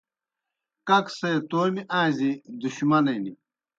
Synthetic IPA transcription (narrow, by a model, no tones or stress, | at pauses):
kɐkseːt̪oːmiʔãːzid̪uɕmɐnɐjni